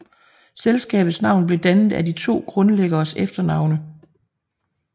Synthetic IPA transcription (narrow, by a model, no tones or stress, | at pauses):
selsɡ̥ɛ̰ːb̥ð̩ˠsnɑ̈ʊ̰nb̥le̝d̥ænð̩ˠædit͡sʰo̝̰ːɡ̥ʁɔ̽nleɡ̥ɐːsefd̥ɐnɑ̈ʊ̰nə